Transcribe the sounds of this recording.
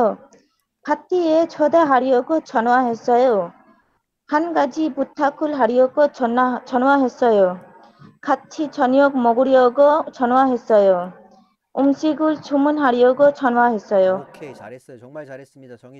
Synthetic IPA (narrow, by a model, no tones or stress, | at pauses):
kʰat̪ːiet͡ʃʰod̪aɦaɾijoɡɔt͡ʃʰɔnwaɦesɔjo | kʰanɡad͡ʑibut̪ʰːakʰulɦaɾijoɡɔt͡ʃʰɔnwaɦesɔjo | kʰat̪ːt͡ʃʰit͡ʃʰɔnijokmɔɡuɽijoɡɔt͡ʃʰɔnwaɦesɔjo | umsiɡult͡ʃʰumunɦaɾijoɡɔt͡ʃʰɔnwaɦesɔjo